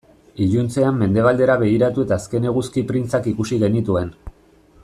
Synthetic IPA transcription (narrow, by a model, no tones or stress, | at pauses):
iʎunt͡se̞amːe̞nd̪e̞βald̪e̞ɾaβe̞ɣ̞iɾat̪ue̞t̪aːske̞ne̞ɣ̞uskipɾint͡sakikusiɣe̞nit̪ue̞n